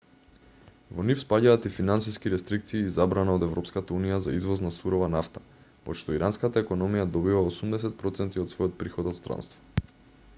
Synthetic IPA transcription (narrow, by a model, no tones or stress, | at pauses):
vɔnifspaɟaːt̪ifinansiskiɾɛst̪ɾik̚t̪siːzabɾanaod̪ɛvɾɔpskat̪aunijazaizvɔznasuɾɔvanaft̪ḁ | pɔ̰t̪ʃt̪ɔiɾanskat̪aɛkɔnɔmijad̪ɔbivaosumd̪ɛsɛt̪̚pɾɔt̪sɛnt̪iɔt̪svɔjɔt̪̚pɾixɔd̪ɔt̪st̪ɾa̰nst̪vɔ̥